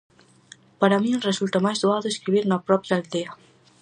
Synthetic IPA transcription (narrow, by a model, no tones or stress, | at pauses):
paɾamĩresult̪amajzðuaðoeskɾiβiɾnapɾɔpjaːld̪ea